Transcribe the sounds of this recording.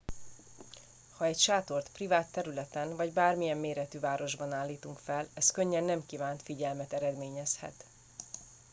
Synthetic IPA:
hɒɛcʃaːt̪o̞rt̪privaːt̪ːɛɾylɛt̪ɛnvɒɟbaːrmijɛmːeːɾɛt̪yvaːɾo̞ʒbɒnaːlːiːt̪uŋkfɛlɛskø̞ɲːɛnːɛmkiːvaːnt̪fiɟɛlmɛt̪ɛɾɛd̪meːɲɛshɛ̰t̪

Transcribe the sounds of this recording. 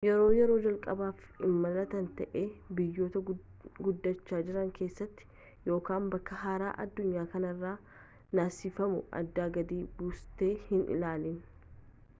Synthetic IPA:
jɛɾo̞ːjɛɾo̞ːd͡ʒɐlkʼɐbaːf | ɪmːɐnɐt̪ɐnt̪ɐʔeːbɪjːo̞ːt̪ɐ | ɡʊd̪ːɐt͡ʃːaːd͡ʒɪɾɐŋkʰe̞ːsːɐt̪ːɪ̥ | jo̞ːkaːmbɐkːɐɦaːɾa̰ːʔɐd̪ːʊɲːaːkɐnɐrːaː | naːsifɐmʊ̰ʔɐ̰d̪ːaːɡɐd̪iːbʊst̪eːhɪnʔɪ̰laːlɪn

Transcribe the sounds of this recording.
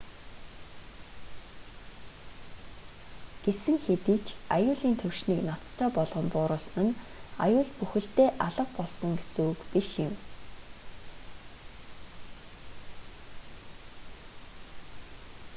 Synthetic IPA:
ɡ̥esɘ̆ŋxet̪iːt͡ɕʰajʊːɮiːnt̪ʰɵwʃniːknɔt͡st̪ʰːœːpɔɮʁɞ̆mpʊːɾʊːsnɘ̆n | a̰jʊːɮpuxɘ̆ɬt̪eːʔaɮə̆q̚pɔɮsɞ̆ŋɡesuːkpiʃɪ̆m

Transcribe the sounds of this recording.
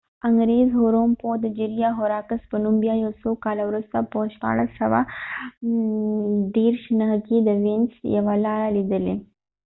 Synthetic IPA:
ɐŋɡɾeːzɦoːɾoːmpoːd̪d͡ʒiɾijaːɦoːɾaːkɐspɐnumbijaːjoːsoːkaːlɐʋɾust̪apoːʃta̰ːɭɐsɐʋa̰ | d̪eːɾʃnɐɦɐkiːd̪ɐʋinsjɐ̰ʋɐlaːlid̪əlḛ

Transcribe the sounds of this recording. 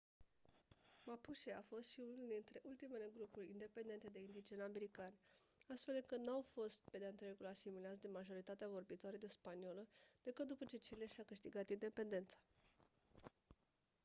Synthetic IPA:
mapuʃeafo̞st̪ʃiunuuld̪int̪ɾe̞ʔult̪ime̞le̞ɡɾupurʲind̪e̞pe̞nd̪e̞nt̪e̞d̪e̞ind̪it͡ʃename̞ɾikanʲ | ast̪fe̞lɨŋkɨt̪nuawfo̞st̪̚pe̞d̪eaɨnt̪ɾekulasimilat̪s̬d̪emaʒo̞ɾit̪at̪eavo̞rbit̪oaɾed̪espanio̞ləd̪̥e̞kɨt̪̚d̪upət͡ʃe̞t͡ʃeileʃawkɨʃt̪iɡat̪ind̪e̞pe̞nd̪e̞nt̪sḁ

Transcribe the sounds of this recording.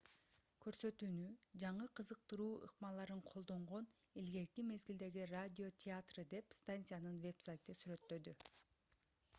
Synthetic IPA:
kʰø̞ɾsø̞t̪yːnyd͡ʒɑɴɯqʰɯzɯq̚t̪ɯɾuːɯ̰qmɑlˠɑɾɯɴqʰo̞lˠd̪o̞ɴʁo̞nelɡe̞kime̞zɡʲild̪e̞ɡiradʲɪo̞t̪ʲʰɪat̪rɨd̪e̞pst̪anʲt̪ɨjanɯnve̞psajt̪ɯsyɾø̞t̪ːø̞d̪y

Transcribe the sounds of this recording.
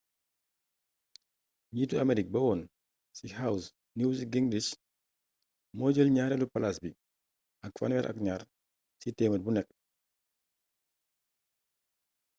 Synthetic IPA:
ɲiːtuɐmɛɾik̚bɐwɔn | sihaws | niwsiɡiŋdis | mɔd͡ʒəlɲaːɾɛlupalasbi | ʔɐkfa̰nwɛɾʔɐ̰kɲaːɾ | sitɛːmət̚bunɛk̚

